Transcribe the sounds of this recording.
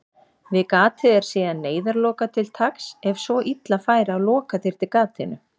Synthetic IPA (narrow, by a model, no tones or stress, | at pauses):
vɪðkaːt̪ʰɪðɛɾ̥siːðanːeːjðaɾlɔːkat̪ʰɪlt̪ʰaksɛvsvɔʔit̪lafaːjɾɪawlɔːkaθɪɾ̥t̪ɪɾkaːt̪ɪnʏ̰